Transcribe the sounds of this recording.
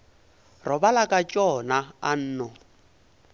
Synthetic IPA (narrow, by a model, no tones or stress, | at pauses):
rɔbalakʼat͡ʃʼɔnaan̩ːnɔ